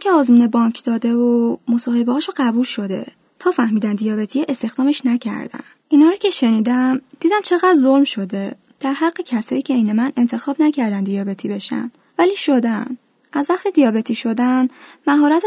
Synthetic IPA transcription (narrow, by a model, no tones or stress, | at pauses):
iŋcʰeɒːzmuːnebɒɲcʰd̪̥ɒːd̪evomusɒːhebɒɒʃoɢæbulʃo̞d̪e̞̰ | t̪ʰɒːfæhmiːd̪ænd̪ijɒːbe̞t̪ʰijeʔest̪e̞xd̪ɒːmeʃnæcʰæ̰ɾd̪̥æ̰n | ʔinhɒːɾoːcʰeʃe̞niːd̪æmd̪iːd̪æmt͡ʃʰe̞ɣæd̪ɾzo̞lmʃo̞d̪e̞ | d̪̥æɾhæɢːecʰæsɒːjiːcʰeijnemæne̞nt̪ʰe̞xɒːbnæcʰæɾd̪ænd̪ijɒːbe̞t̪ʰiːbe̞ʃæ̰n | væliːʃo̞d̪æn | ʔæzvæχt̪id̪ijɒːbe̞t̪ʰiːʃo̞d̪ænmæɦɒːɾæt̪ʰ